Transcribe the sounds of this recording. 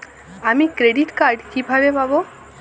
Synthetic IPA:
amikɾeɖiʈkaɾɖkibʱabepabo

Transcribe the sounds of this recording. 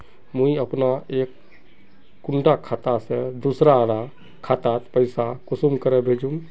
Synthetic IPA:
mũiəpnaeːkː | ʊɳɖakʰat̪ased̪usɾaɾa | kʰat̪at̪pəɪsakʊsumkəɾebʱed͡ʒũm

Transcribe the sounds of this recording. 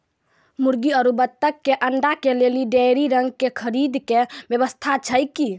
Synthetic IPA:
muɾɡiəɾubət̪ːəkːeʔəɳɖakeleliɖejɾiɾəŋɡkekʰəɾid̪kebjəβəst̪ʰat͡ʃʰəjki

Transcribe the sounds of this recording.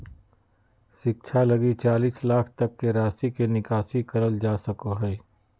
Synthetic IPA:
ʃɪk̚t͡ʃʰalɐɡit͡ʃaːliːslaːkʰt̪ɐkːeɾaːsikenɪkaːsikɐɾəld͡ʒaːsɐkoɦɛː

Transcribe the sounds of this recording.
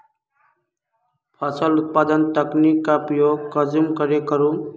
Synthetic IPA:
pʰasəlʊt̪̚paːd̪ənt̪əknikːapɾəjoːɡkəd͡ʒumkəɾekəɾũ

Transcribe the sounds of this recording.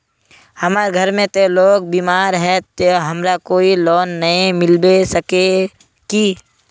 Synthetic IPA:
hɐmaːɾɡʱɐɾmẽt̪eloːɡ̚biːmaːɾɦɛt̪eɦɐmɾakoːilɔːnːɐẽmɪlbesəke | ki

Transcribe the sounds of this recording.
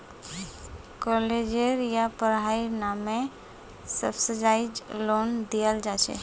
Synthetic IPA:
kɔled͡ʒeɾjapəɾɦainamẽ | sə̰bsəd͡ʒaːid͡ʒloːnd̪ijəld͡ʒaʃḛ

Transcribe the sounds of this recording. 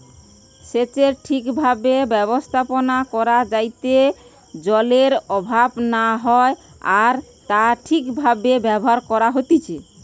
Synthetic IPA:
set͡ɕeɾʈʰikbʱabebɛβost̪ʰaponakɔɾad͡ʑajt̪e | d͡ʑɔleɾɔbʱabnaɦɔe | aɾt̪aʈʰikbʱabebɛbɔɦaɾkɔɾaɦot̪it͡ɕʰe

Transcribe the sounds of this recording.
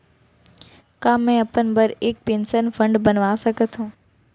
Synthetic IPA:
kaːmːẽɐpənbɐɾeːk̚pẽːnsənfɐ̃ɳɖbɐnʋaːsɐɡʱət̪ʰũː

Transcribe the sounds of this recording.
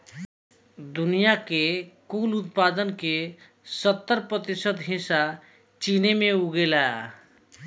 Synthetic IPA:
d̪unijakekulut̪pad̪ənke | sət̪ːəɾpɾət̪isəd̪ɦĩsa | t͡ʃinemeuɡela

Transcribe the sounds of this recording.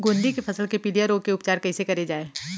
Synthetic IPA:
ɡõːnd̪ikepʰɐsəlkepilijəɾoːkeʊpt͡ʃaːɾkɐɛɪsekɐɾed͡ʒaːeː

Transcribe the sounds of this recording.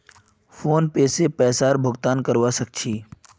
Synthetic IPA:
fʰoːnpeːsepɛːsaːɾbʱʊɡt̪aːnkəɾʋasək̚t͡ʃʰiː

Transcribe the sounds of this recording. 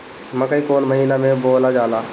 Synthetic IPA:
mɐkəikoːnməɦiːnamẽboːlad͡ʒaːlaː

